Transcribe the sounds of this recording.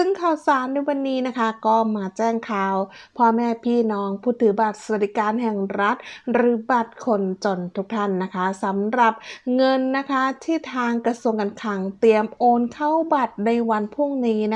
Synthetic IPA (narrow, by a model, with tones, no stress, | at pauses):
sɯ˥˩ŋkʰaː˨˩wsaː˨˩˦nːa˧jwa˧nːiː˦˥na˦˥kʰa˦˥kɔː˥˩maː˧t͡ɕɛː˥˩ŋkʰaː˧˩wpʰɔ˦˥mɛː˥˩pʰiː˥˩nɔː˦˥ŋpʰuː˥˩t̪ʰːɯː˩˦ba˨˩t̪̚sa˧a˨˩d̪i˨˧˩kaː˧nhɛ˨˩ŋɾa˦˥t̪̚ɾɯː˩˦ba˨˩t̪̚kʰo˧nt͡ɕo˨˧nt̪ʰu˦˥k̚t̪ʰa˥˩nːa˦˥kʰa˦˥sa˩˦mɾa˨˩p̚ŋɤ˧nːa˦˥kʰa˦˥t̪ʰiː˥˩t̪ʰaː˧ŋkɾa˧su˧əŋka˧nkʰa˨˧˩ŋt̪i˧əmʔoː˧nkʰa˥˩wba˨˩t̪̚na˧jwa˧npʰu˥˩ŋniː˦˥na˦˥